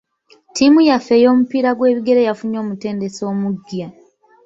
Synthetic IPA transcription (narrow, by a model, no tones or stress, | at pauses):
timujafe̞jo̞ːmupiɾaɡwe̞ːβiɡe̞ɾejafuɲo̞ːmute̞ːnde̞so̞ːmuɡja